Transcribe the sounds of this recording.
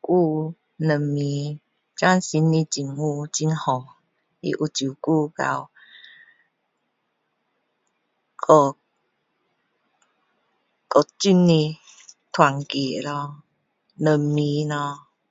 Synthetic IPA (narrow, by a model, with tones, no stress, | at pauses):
ku˦˧ | nə˨˩mːĩ˧˦ | t͡ɕwa˦˨nsi˧˦nːĩ˧t͡ɕi˨˩ŋu˦˧t͡ɕi˦nhɔ˨˩ŋ | ḭ˧ʔu˧˨t͡ɕju˨ku˥˦˨ka̰˨˧w | kʰɔ˧˩ | kɔ˨˩t͡ɕi˧˩nːĩ˧ | t̪ʰwa˨˩ŋki˨˩˨lɔ˧ | nə˨mːĩ˧˦nɔ̃˧